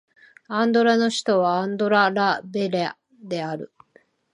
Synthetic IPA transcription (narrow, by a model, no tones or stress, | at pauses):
ãnd̪o̞ɾano̞ɕi̥t̪o̞βaãnd̪o̞ɾaɾabe̞ɾea | d̪e̞aɾɯ̟